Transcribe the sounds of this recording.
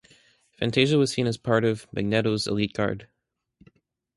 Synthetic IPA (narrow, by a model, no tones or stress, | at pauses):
fæ̰̃ntʰeɪʒəwʌz̥sĩnɨz̥pʰɑɹɾʌvmɨ̰ɡ̚nɛɾoʊzə̰lit̚ɡ̥ɑ̰ɹd̥